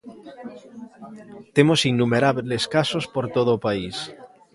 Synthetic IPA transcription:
t̪emosinːumeɾaβleskasospoɾt̪oð̞oːpais

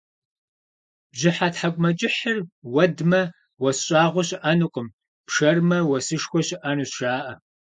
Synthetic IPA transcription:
bʑɪħatħakʷʼmɐt͡ʃʼɪħərwɐdmɐ | wɐsɕʼaːʁʷɔɕʼɪʔanɨqʷʼəm | pʂɐrmɐwɐsɨʂxʷɔɕʼɪʔanɨsʃaːʔɐ

